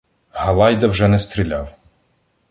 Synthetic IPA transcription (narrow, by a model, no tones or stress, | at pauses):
hɐlˠɑjd̪ɐwʒɛnɛst̪ɾʲilʲaw